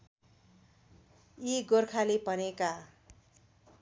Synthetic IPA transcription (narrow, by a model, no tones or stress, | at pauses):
iɡorkʰalepʌneka